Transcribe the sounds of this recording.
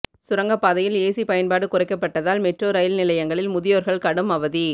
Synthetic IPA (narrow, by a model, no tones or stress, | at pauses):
sʊɾɐŋɡɐpːaːðɐjɪleːsipɐjɐnpaːɽɯkʊrɐɪkːɐpːɐʈːɐðaːlmɛʈroːɾɐjɪlnɪlɐjɐŋɡɐɭɪlmʊðɪjoːɾɣɐɭkɐɽɯmɐʋɐði